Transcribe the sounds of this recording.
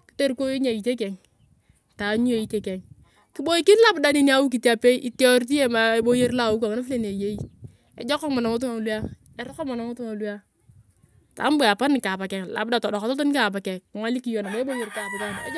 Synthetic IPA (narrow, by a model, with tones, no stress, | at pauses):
ki̥˨te˦ɾko˦e˦ɲa˨i˨te˦kɛ˨ŋ | ta˨˦ɲu˦e˦˨i˦te˨kɛ˨ŋ | ki˦bo˦i˦ki˦n˦la˦bda˦ni˦ni˦a˦wu˦k̬i˨ta˨pe˦ʔi˨ti˦ɔ˦ɾt̬i˦e˦ma˨e˦bo˦je˦ɾla˦˨u˦kʷa˨ŋ˨na˦fi˦le˦ne˨je˦i˦ | ḛ˨d͡ʒɔ˦kɔ˦ma˨na˨mo˦t̬u˦ŋa˨lu˦a˦ | e˨˦ɾɔ˦kɔ˦ma˨na˨mo˦tu˦ŋa˨lu˦a˦ | ta̰˨˦m˦be˨a˨pa˦ni˨ka˨pa˨kɛ˨ŋla̰˨b̚da˨tɔ˨dɔ˨kɔ˨tɔ˦to˦ni˦ka˨p̬a˨kɛ˨ŋʷa˦li˦ki˦jo˨na˨be˦bo˦je˨ɾka˨pi˨ta˦˨na˨ḛ˦